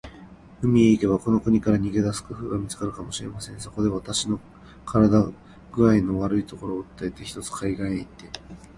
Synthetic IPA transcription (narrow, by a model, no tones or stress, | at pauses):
ɯ̟mʲieike̞βako̞no̞kɯ̟ɲ̟ikaɾaɲ̟iɡe̞d̪asɨ̥kɯ̟ɸɯ̟ːɡamʲit͡sɨ̥kaɾɯ̟kamo̞ɕiɾe̞masẽ̞ɰ̃soko̞d̪e̞βat̪aɕino̞ | kʰaɾad̪a | ɡɯ̟aino̞βaɾɯ̟it̪o̞ko̞ɾoːɯt̪ːae̞t̪e̞çi̥t̪o̞t͡sɨ̥kʰaiɡaeit̪ːe̞